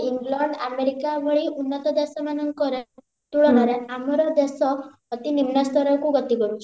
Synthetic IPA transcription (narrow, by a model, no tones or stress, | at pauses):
iŋɡlɔɳɖameɾikabɔɭiʔunːɔt̪ɔd̪asɔmanɔŋkɔɾe | t̪uɭɔnɔɾeamɔɾɔd̪asɔː | t̪inimnɔst̪ɔɾɔkuɡɔt̪iɡɔɾut͡ʃʰi